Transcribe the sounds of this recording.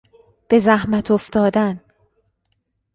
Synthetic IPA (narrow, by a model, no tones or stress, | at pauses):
b̥e̞zæhmæt̪ʰoft̪ɒːd̪æn